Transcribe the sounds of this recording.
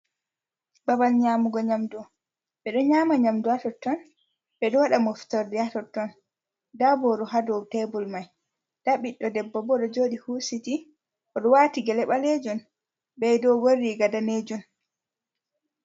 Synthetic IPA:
babalɲaːmuɡɔɲamdɔ | ɓɛɗɔɲaːmaɲamduatɔtːɔn | ɓɛdɔwaɗamoftɔɾdɛatɔtːɔn | dabɔɗɔɦadɔtebulmaj | d̥aɓiɗːɔdɛbːɔbɔɗɔd͡ʒoːɗihusiti | ʔɔɗɔwatiɡɛlɛɓaled͡ʒɔn | bɛjdɔwoɾiɡadaned͡ʒun

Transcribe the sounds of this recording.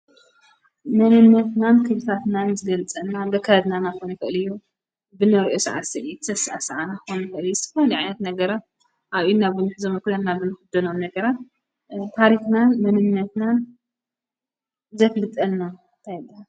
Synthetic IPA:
mɐnɨnːɐt̪nankʰɨβɨt̪ʰat̪nanzɨɡɐlt͡sʼɐnːabɐkʰːaad̪nanaxonɐkɨʔɨlɨjːu | bɨnɐɾʔosɨʕa̰sɨʔit̪ʰɨ̥zʰɐsʔasɐʕanaxonɐkɨʔɨlijzt̪ʰɨ̥fɐliʕajnɐt̪nɐɡɐɾat̪ | ʔaβʔinabɨnɨħɨzomɐkɨlɐnnabɨnɨxɨd̪ɐnomnɐɡɐɾat̪̚ | t̪ʰaɾixnanmɐnɨnːɐt̪nan | zɐflɨt̪ʼɐnːa | nt̪ʰajbːaa

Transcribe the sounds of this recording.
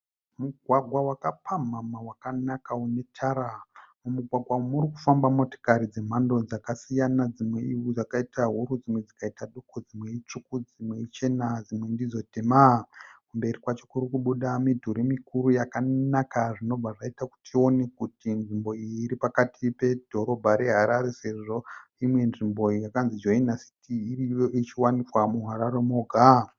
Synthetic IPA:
muɡʱwaɡʱwawakapʰamamawakanakaune̞tʰaɾamumuɡʱwaɡʱwaumuɾikufambamo̞to̥kaɾid͡ze̞m̤ando̞d͡zakasijanad͡zimwe̞iwud͡zakaitʰaɦuɾud͡zimwe̞d͡zikaitaɗukod͡zimwe̞it͡ʂukud͡zimweit͡ʃe̞nad͡zimwendizo̞temakumbe̞ɾikwat͡ʃi̥kuɾukuɓuɗamidʱuɾimikuɾujakanakaʐino̞b͡vʱaʐaitaku̥tʰio̞ne̞kutinʐimbo̞ijiːɾipakatipe̞dʱo̞ɾo̞bʱaɾe̞ɦaɾaɾeseʐo̞imwe̞nʐimbo̞jakanzid͡ʒoinasi̥tʰiːrijoit͡ʃiwanikwamuɦaɾaɾemoɡʱa

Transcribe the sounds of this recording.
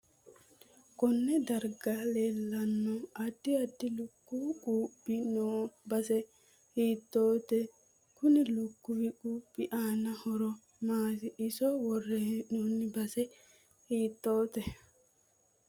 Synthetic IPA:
kɔnːɛd̪ɐɾɡaleːlːɐnːɔɐd̪ːɪɐd̪ːɪlʊkːukʼuːpʼːɪnoːbɐsɛ | hiːt̪ːoːt̪ɛ | kʊnɪlʊkːʊwɪkʼuːpʼːɪʔaːnɐhɔɾɔ | maːsɪʔɪsɔwɔrːɛnuːnːɪbɐsɛ | hiːt̪ːoːt̪ɛ

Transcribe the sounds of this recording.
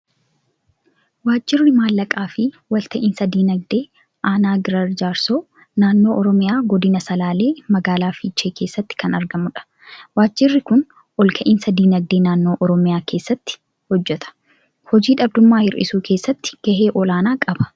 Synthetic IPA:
waːd͡ʒːɪrːɪmaːlːɐkʼaːfɪ | wɐlt̪ɐʔɪnsɐd̪iːnɐɡ̚d̪e̞ː | ʔaːnaːɡɪɾɐɾd͡ʒaːɾsoː | naːnːo̞ːʔɔɾɔmɪjaːɡɔd̪ɪnɐsɐlaːle̞ːmɐɡaːlaːfiːt͡ʃːe̞ːke̞ːsːɐt̪ːɪ̥kɐnɐɾɡɐmʊᶑɐ̥ | waːd͡ʒːɪrːɪkʊn | ʔɔlkʰɐʔɪnsɐd̪iːnɐɡ̚d̪eːnaːnːo̞ːʔɔɾɔmɪjaːkʰe̞ːsːɐt̪ːɪ̥ | hɔd͡ʒːɛt̪ɐ̥ | hɔd͡ʒiːᶑɐb̚d̪ʊmːaːhɪɾʔɪ̰suːkʰe̞ːsːɐt̪ːɪ̥ɡ̥ɐheːʔɔlaːnaːkʼɐbɐ̥

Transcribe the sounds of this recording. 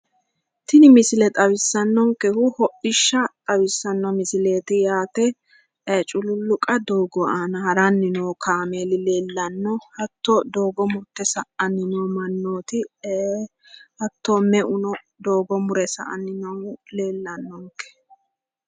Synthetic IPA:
t̪ɪnɪmɪsɪlɛt̪ʼɐwɪsːɐnːɔŋkɛhʊhɔʔɪʃːɐt̪ʼɐwɪsːɐnːɔmɪsɪle̞ːt̪ɪjaːt̪ɛ | t͡ʃʼʊlʊlːʊkʼɐd̪oːɡɔaːnɐhɐɾɐnːɪnoːkʰaːmeːlɪleːlːɐnːɔhɐt̪ːod̪o̞ːɡɔmʊɾt̪ːɛsɐʔɐnːɪnoːmɐnːoːt̪ɪ | hɐt̪ːomɛʔʊnɔ | d̪oːɡɔmʊɾɛsɐ̰ʔɐ̰nːɪnole̞ːlːɐnːɔŋkːɛ̥

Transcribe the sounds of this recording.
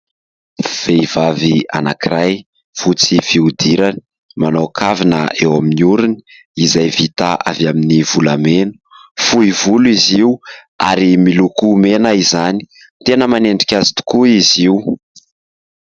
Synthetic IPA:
v̥eivavia̰na̰kiɾaj | fut͡sifiud̪iɾani̥ | manokʰavinə̰ewaminuɾuni̥ | izajvit̪aʔa̰vaminivulamenu̥fuivuluiziu | a̰ɾimilukumenaizani̥ | t̪enəmaneɳɖ͡ʐi̥kʲazi̥t̪u̥kuiziuw

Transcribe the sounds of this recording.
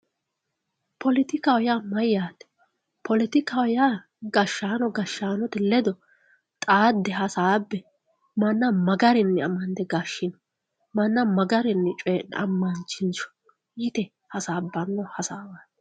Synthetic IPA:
pʰɔlɪt̪ɪkawjamɐjːaːt̪ɛ̥ | pʰɔlɪt̪ɪkawjaː | ɡɐʃːaːnɔɡɐʃːaːnɔt̪ɛlɛd̪ɔ | t̪ʼaːd̪ːɛɦɐsaːbːɛ | mɐnːɐmɐɡɐɾɪnːɛɐmːɐnd̪ɛɡaʃːɪnɔ | mɐnːɐmɐɡɐɾɪnːɛt͡ʃʼɔjɛn̰ɐmːɐnt͡ʃːɪnt͡ʃɔ̥ | jɪt̪ɛ | hɐsaːbɐnːɔhɐsaːwa

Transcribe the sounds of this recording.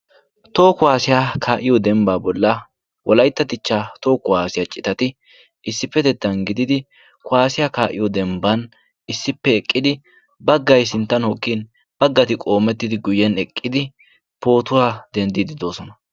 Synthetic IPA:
t̪o̞ːkʊwaːsɪjaːkʰaːʔɪjɔd̪ɛmbaːbɔlːɐ | wɔlɐjt̪ːɐt̪ɪt͡ʃːaːt̪o̞ːkʊwaːsɪjat͡ʃʼɪt̪ɐt̪ɪ | ɪsːɪpːɛd̪ɛt̪ːɐnɡɪd̪ɪd̪ɪ | kʊwaːsɪjakaːʔɪjɔd̪ɛmbɐn | ɪsːɪpːɛɛkʼːɪd̪ɪ | bɐɡːɐjs̬ɪnt̪ːɐnhɔkʼːin | b̥ɐɡːɐt̪ɪkʼo̞ːmɛt̪ːɪd̪ɪɡʊjːɛnɛkʼːɪd̪ɪ | po̞ːt̪ʊaːd̪ɛnd̪ɪd̪ɪd̪o̞ːsɔnɐ

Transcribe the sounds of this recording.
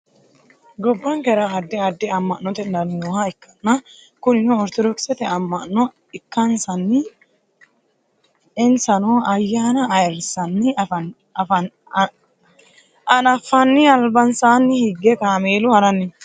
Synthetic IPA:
ɡɔbːɐŋkɛɾɐɐd̪ːɛɐd̪ːɪɐmːɐʔnːɔt̪ɛndɐnnoːhɐɪkːɐ̥nːɐ | kʊnɪnʊɔɾt̪ɔd̪ɔksɛt̪ɛɐmːɐʔnːɔ | ɪkːɐnsɐnːɪ | ɛnsɐnoːɐjːaːnɐɐjɪɾsɐnːɪ | ʔɐnɐfːɐnːɪɐlbɐnsaːnːɪhɪɡːɛkaːmeːlʊhɐɾɐnːɪ

